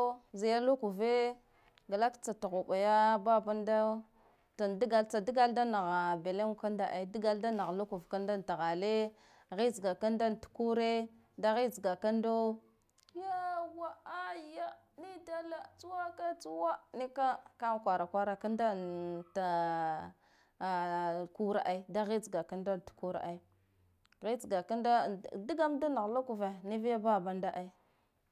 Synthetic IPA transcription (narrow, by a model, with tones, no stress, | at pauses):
zi˨ja˦lu˦ku˨ve˦ | ɡa˨la˦kt͡sa˨ta˨ɣu˨ɓa˨ja˦ba˦ba˦nda˦ | ta˨ndi˦ɡa˨lt͡sa˨di˦ɡa˦lda˦na˨ɣa˨be˨le˦ŋ˨ka˦nda˨ʔa˨˦di˦ɡa˦lda˦na˨ɣlu˦ku˨vka˦nda˦nta˨ɣa˨le˦ | ɣi˦zɡa˨ka˦nda˦ntu̥˨ku˦ɾe˦ | da˦ɣi˦zɡa˨ka˦ndo˦ | ja˦wa˦a˦ja˦ | ni˦da˦la˦˨t͡su˦wa˦ka˦t͡su˦wa˦ni˦ka˦ka˦˨kʷa˨ɾa˨kʷa˦ɾa˦ka˦nda˦ta˨ | ku˦ɾa̰˦ʔa˦i˦da˦ɣi˦d͡zi˨ɡa˨ka˦nda˦n˨tu̥˨ku˦ɾa̰˨ʔa˦i˦ | ɣi˦t͡sɡa˨ka˦nda˦˨di˦ɡa˦mda˦na˨ɣla˦ku˨va˨ni˦vi˦ja˦ba˦˨ba˦nda˦ʔa˦i˦